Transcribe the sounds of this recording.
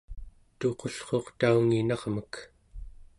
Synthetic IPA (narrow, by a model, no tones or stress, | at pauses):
t̪o̞qo̞ɬχo̞qt̪auŋinɑʁmək